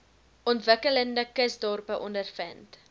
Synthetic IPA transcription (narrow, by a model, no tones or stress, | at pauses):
ɔntvəkələndəkəsdɔrpəʔɔndərfənt